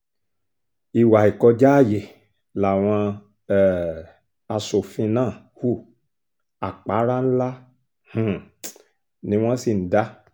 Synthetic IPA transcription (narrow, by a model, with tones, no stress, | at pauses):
i˨wa˨i˨kɔ˧d͡ʒa˦a˦˨je˨ | la˨w̃ɔ̃˧˨ | a˧so˨fĩ˧nãː˦˨ | hu˦˨ | a˨k͡pa˨˦ɾa˦ñ̩˦la˦ | h̩˦˨ | nĩ˨˦w̃ɔ̃˦si˨n̩˨˦da˦